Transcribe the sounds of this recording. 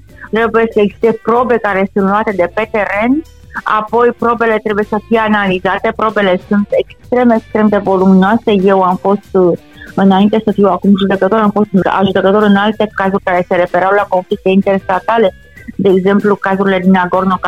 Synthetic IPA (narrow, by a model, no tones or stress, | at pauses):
t̪ɾe̞buje̞səeɡzi̥st̪e̞pɾo̞be̞kaɾe̞sunt̪luat̪e̞d̪e̞pe̞t̪e̞ɾe̞n | a̰po̞jpɾo̞be̞le̞t̪ɾe̞buje̞səfije̞analizat̪e̞pɾo̞be̞le̞sunt̪e̞kst̪ɾe̞mekst̪ɾe̞md̪e̞vo̞lumnoase̞je̞wamfo̞st̪ | ɨnaint̪e̞səfiwakumʒud̪e̞kət̪o̞ɾamfo̞st̪a̰ʒud̪e̞kət̪o̞ɾɨnalt̪e̞kazurʲkaɾe̞se̞ɾe̞fe̞ɾawlako̞nflik̚t̪e̞int̪e̞rst̪at̪ale̞ | d̪e̞ːɡze̞mplukazuɾile̞d̪inaɡo̞rnok